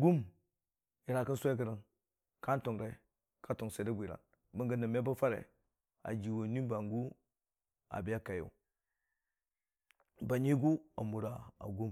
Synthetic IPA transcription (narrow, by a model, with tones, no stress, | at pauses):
ɡu˦m | i˨ɾa˨kə˦nsʷe˦kə˨ɾə˦n | ka˦n˦to˨ŋɾe˨˦ | ka˦to˨ŋse˨da˦bʷi˨ɾa̰˨n | bə˦ŋɡə˦na˨me˦ba˦fa˦ɾḛ˨ | a̰˨d͡ʒi˨wo˨ni˦ba˨ŋɡu˦ | a̰˨bi˦ja˦ka˨jo̰˨ | ba˨ɲi˦ɡu˦a̰˨mu˨ɾa˨a̰˨ɡu˦m